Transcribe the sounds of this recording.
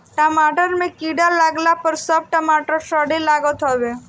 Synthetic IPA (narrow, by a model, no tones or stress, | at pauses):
ʈəmaʈəɾmẽkiɽalaɡlapəɾsəb̚ʈəmaʈəɾʃəɽelaɡət̪ɦɔʋe